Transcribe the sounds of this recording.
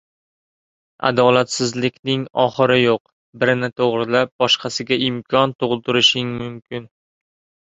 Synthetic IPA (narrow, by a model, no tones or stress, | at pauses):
a̰d̪ɒlat̪sɪzlɪkʲʰnɪŋɒχɨɾɪjoq | bɪɾɪnɪt̪ʰoʁɾɪlap̚bɒʃqʰɑsɪɡʲaʔɪmkʰɒnt̪ʰʊʁɨlˠt̪ʰʊɾɪʃɪŋmʊmkʲʰɪn